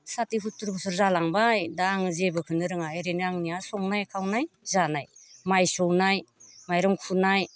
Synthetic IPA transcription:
satiɦutɾbɔsɔɾzalaŋbajdaŋɯzebɯkʰɯnɯɾɯŋajɾenɯaŋniasɔŋnajkʰawnajzanajmajsɔwnajmajɾɔŋkʰunaj

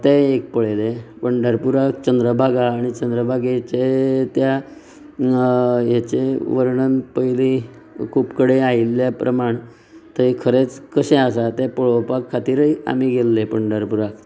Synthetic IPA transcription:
t̪eːk̚pəɭelepəɳɖʱəɾpuɾakt͡ɕənd̪ɾəbʱaɡaːɽ̃it͡ɕənd̪ɾəbʱaɡet͡ɕet̪ja | jat͡ɕeʋəɾɳənpəili | kʰuːpkəɽeailːjapɾʔəmaɳ | t̪əɦikʰəɾet͡skəɕẽas̬at̪epəɭopakʰːat̪iːɾəia̰miɡelːepəɳɖʱəɾpuɾak

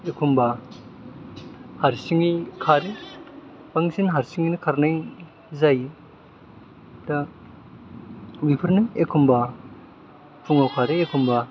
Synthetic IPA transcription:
ekʰumba | haɾsiŋikʰaɾi | paŋsinɦaɾsiŋinikʰaɾnaj | zaj | da | bipʰɯɾnajekʰumba | pʰuŋawkʰaɾeekʰumba

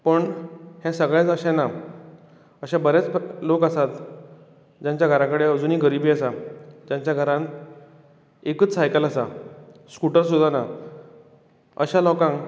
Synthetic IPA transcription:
pəɳhãsəɡɭɛ̃t͡səɕana | əɕabəɾjat͡slokəsat̪ | d͡ʑãɲt͡ɕjaɡʱəɾãkəɽeəd͡zuːniːɡəɾibʱiːəsad͡ʑãɲt͡ɕjaɡʱəɾãn | ekət͡ssajkələsaskuʈəɾsud̪ʱana | ə̰ɕãlɔkãŋ

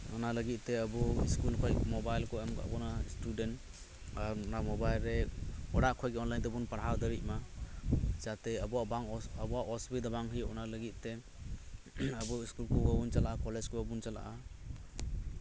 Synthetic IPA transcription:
ɔ̰naləɡit̪̚teabuḭskulkʰɔjmɔbajlkʰɔamɡa̰bɔnastudent | aɾnamɔbajlɾeɔɽaʔkʰɔjɡeɔnlajnd̪ɔbunpaɾɦawd̪əɾit̚ma | zat̪eabɔabaŋɔabuwaʔɔsbid̪abaŋɦijɔ̰naləɡit̪̚te | abuiskulkʰuɡabunt͡ʃalaʔakɔlezkʰɔbabunt͡ʃala̰ʔa

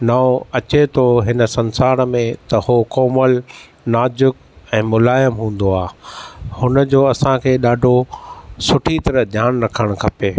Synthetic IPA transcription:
naoɐt͡ɕet̪ʰoɦɪnə̆sɐ̃nsaːɾmẽt̪ɐhokɔːməl | naːd͡ʑʊk | ɛ̃ːmʊlaːjəmɦũːn̆d̪oaːhʊnəd͡ʑoːɐsãkʰeːɗaːɖʱosʊʈʰit̪ɐɾəɦd̪ʱjaːnɾɐkʰəɽ̃kʰɐpeː

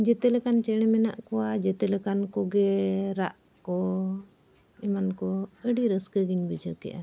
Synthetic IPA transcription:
d͡ʒɛt̪ɛlɛkant͡ʃɛɽ̃ɛmɛna̰ʔkɔwad͡ʒɛt̪ɛlɛkankɔɡɛɾaʔ | kɔ | ɛmankɔəɖiɾəskəɡinbəd͡ʒəkɛ̰ʔa̰

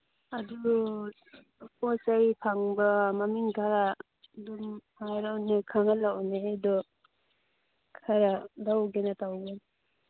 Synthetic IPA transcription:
adu | pɔsajpʰaŋbamamiŋɡaɾa | dumhaɾawnekʰaŋalawneadɔ | kʰaɾadawɡenatawɡen

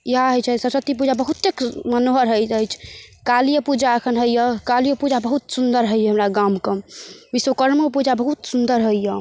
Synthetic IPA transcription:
jɦaɦəjt͡ʃʰɛsəɾsət̪ːipud͡ʒabəɦut̪ːekmənoɦəɾɦəjtəjt͡ʃʰkalijəpud͡ʒaəkʰənɦəjjəkaljopud͡ʒabəɦut̪sund̪əɾɦəjəɦəmɾaɡamkəmbisʋokəɾmopud͡ʒabəɦut̪sund̪əɾɦəijə

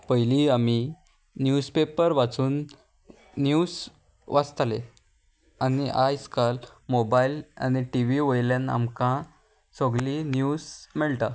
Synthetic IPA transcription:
pəjliːami | njuspepəɾʋat͡suːnː | juːs | ʋast̪alḛ | aniʔajskalmobajila̰ñiʈiʋiʋojljana̰mkã | soɡlinjuːsmeɭt̪a

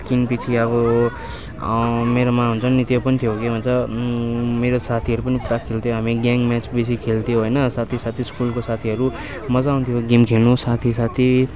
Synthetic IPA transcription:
skinpit͡sʰiʌβʌ | meɾomãɦunt͡sʰʌnːit̪iopʌnit̪ʰijokebʱʌnt͡sʌ | meɾosat̪ʰiʌɾupʌnipuɾakʰːelt̪ʰijoɦamiɡaŋɡmat͡sbes̬ikʰelt̪ʰijoɦojnʌsat̪ʰisat̪ʰiskulkosat̪ʰiʌɾu | mʌd͡zaũnt̪ʰijoɡimkʰelnusat̪ʰisat̪ʰi

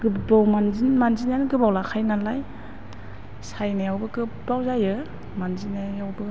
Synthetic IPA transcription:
ɡ̥ɯbawmanzinmanzinjanɡɯbawlakʰajnalaj | sajnajawbɯɡɯbawzajɯ | manzinajawbɯ

